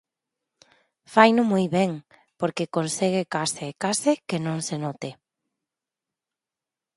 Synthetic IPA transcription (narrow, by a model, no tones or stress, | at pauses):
fajnʊmojβɛŋ | poɾkekonseɣ̞ɪkaseːkasekenõŋsenɔt̪ɪ